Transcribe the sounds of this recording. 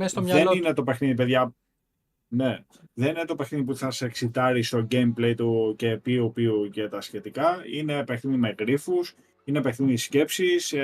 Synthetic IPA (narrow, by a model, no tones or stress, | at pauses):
est̪omɲɐðeninet̪o̞pe̞xniðipeðʝɐ | ne | ðe̞nine̞t̪o̞pexniðip̬uθɐseksit̪ɐɾist̪o̞ɟejmplejt̪uce̞piupiucet̪ɐsçe̞t̪ikɐine̞ːpekθiðimeɣɾifus | inepekθiðiðisce̞psis